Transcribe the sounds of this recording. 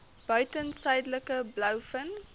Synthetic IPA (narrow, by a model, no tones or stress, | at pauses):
b̥œɥtənsɛjdləkəblœwfən